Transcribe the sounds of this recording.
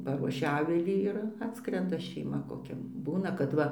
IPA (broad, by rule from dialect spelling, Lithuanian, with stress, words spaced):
ˈpɑːruɔʃʲɛ ˈɑːʋʲɪlʲiː ˈɪr ˈɑːtskrʲɛndɐ ʃʲɛɪˈmɐ koːˈkʲɛ ˈbuːnɐ kɐt ˈʋɐ